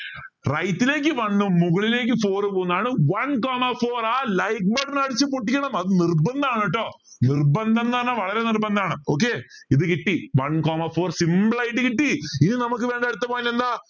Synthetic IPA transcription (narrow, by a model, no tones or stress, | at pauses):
rɐjt̪ːile̞ːk̬ʲːɨʋɐnːumuɣɐɭile̞ːk̬ːɨfoːrpoːnːaːɳɨʋɐnkoːmɐfoːraːlɐjk̚beːɖinɐɽit͡ɕːɨpoʈːikʲːɐɳɐmɐðɨnirbɐnd̪ɐaːɳiʈːo̞ː | nirbɐnd̪ʱɐnːɐnːɐʋɐɭɐɾe̞nirbɐnd̪ɐaːɳɨoːk̬ːe | iðɨkiʈːiʋɐnkoːmɐfoːrsimbɭɐjʈːɨkiʈːiininɐmuk̬ːɨʋeːɳɖɐɽut̪ːɐpoːilːend̪aː